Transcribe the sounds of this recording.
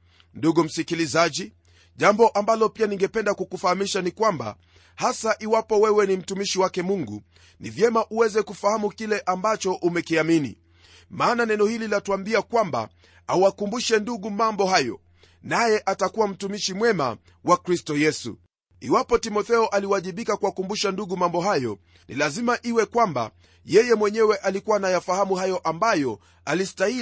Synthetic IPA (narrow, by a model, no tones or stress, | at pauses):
nduɡum̩sikilizaʄi | ʄambɔʔambalɔpianiŋɡɛpɛndakukufahamiʃanikwamba̰ | hasaʔiwapɔwɛwɛnim̩tumiʃiwakɛmuŋɡu | nivjɛmaʔuwɛzɛkufahamukilɛʔambat͡ʃɔʔumɛkiaminḭ | maːnanɛnɔhililatuambiakwamba̰ | auwakumbuʃɛnduɠumambɔɦajɔ̰ | najɛʔatakuwam̩tumiʃimwɛma̰ | wakɾistɔjɛsṵ | ḭwapɔtimɔθɛɔʔaliwaʄiɓikakuwakumbuʃanduɠumambɔɦajɔ̰ | nḭlazimaʔiwɛkwamba̰ | jɛjɛmwɛɲɛwɛʔalikuwanajafahamuɦajɔʔambajɔ | alistai